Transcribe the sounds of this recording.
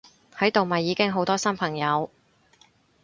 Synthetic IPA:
hɐ˨˥jt̪o˨wmɐ˨jːiː˨˧kɪ˥ŋɦo˨˥wt̪ɔː˥sɐ˥npʰɐ˨˩ŋjɐ˨˧w

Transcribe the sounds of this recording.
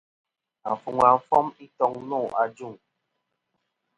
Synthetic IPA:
a̰˨fu˨ŋa˨m̩˨˦fɔ˦mi˦tɔ˦ŋnɔ˦˨ʔa˨d͡ʒu˦˨ŋ

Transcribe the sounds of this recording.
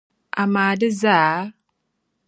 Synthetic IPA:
ʔa˨maː˨də˦za˦

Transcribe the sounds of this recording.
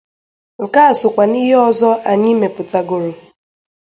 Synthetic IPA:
ŋ̩˨ka˦a˨sʊ˨kʷa˨ni˦ɦe˦ɔ˦zɔ˦ʔa˨ɲɪ˦me˨pʊ˨ta˨ɡo˨ɾo˨

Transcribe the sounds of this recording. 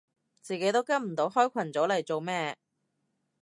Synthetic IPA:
t͡siː˨ke˨˥jt̪o˥wkɐ˥nm̩˨˩t̪o˨˧˥wɦɔː˥jkʷʰɐ˨˩nt͡so˨˥wlɐ˨˩jt͡so˨wmɛː˥

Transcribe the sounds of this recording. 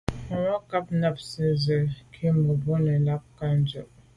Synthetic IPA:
wa˦ka˦p̚na˦p̚sə˦zə˨kʰi˦mə˨bo˦nə˨la˦p̚ka˦n˦d͡ʒə˦˨

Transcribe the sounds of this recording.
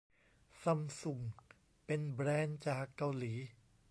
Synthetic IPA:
sa˧˩msu˨˩ŋ | pe˧nbɾɛː˧nt͡ɕaː˨˩kːa˧wliː˩˦

